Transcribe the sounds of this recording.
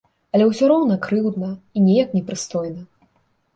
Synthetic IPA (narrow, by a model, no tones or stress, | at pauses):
ɐlʲɛwsʲɔɾɔwnɐkɾɨwd̪nɐinʲɛjɐknʲɛpɾɨst̪ɔjnɐ